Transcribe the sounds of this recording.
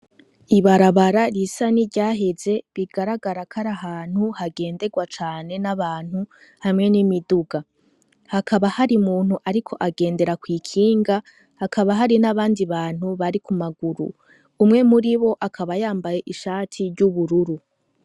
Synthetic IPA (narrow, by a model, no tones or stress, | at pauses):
iβaɾaβaɾaɾisaniɾɟaːɦe̞ze̞βiɡaɾaɡaɾakʰaɾaɦaːn̥huhaɡe̞ːnde̞ɡwat͡ʃaːne̞naβaːn̥hu | hamŋe̞nimiduɡa | hakʰaβahaɾimuːn̥huʔaɾikʰo̞ʔaɡe̞ːnde̞ɾakwiːkʰiːŋɡa | hakʰaβaɦaɾinaβaːndiβaːn̥huβaɾikumaɡuɾṵː | mŋe̞muɾiβo̞ʔakʰaβajaːmbaje̞ʔiʃaːtʰiɾɟuβuɾuɾu